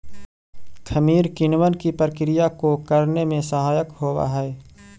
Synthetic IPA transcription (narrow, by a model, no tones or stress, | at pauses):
kʰəmiːɾkɪnwənkipəɾəkɾijakokəɾnemẽsəɦaːjəkɦoːwa̰ɦɛː